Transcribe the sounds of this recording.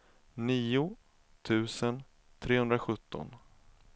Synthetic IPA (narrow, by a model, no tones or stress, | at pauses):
niːʊ | t̪ʰʉ̟ːsən | t̪ʰɾeːhɵnd̪ɾaɧɵt̪ʰːɔ̰n